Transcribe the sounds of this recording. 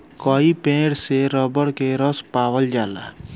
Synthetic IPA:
kɔipẽːɽseɾəbəɽkeɾəspaːwəld͡ʒaːla̰

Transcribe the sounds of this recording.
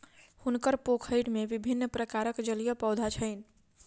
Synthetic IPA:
hunkəɾpokʰəjɽmebibʱinːpɾəkaɾəkd͡ʒəlijəpəwd̪ʱat͡ʃʰəɪn̆

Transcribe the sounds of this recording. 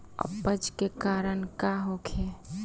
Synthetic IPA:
ə̰pːəd͡ʒkekaːɾənkaɦokʰe

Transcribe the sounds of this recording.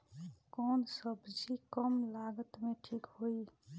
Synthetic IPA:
kɔnsəbd͡ʒikəmlaɡət̪meʈʰikɦoi

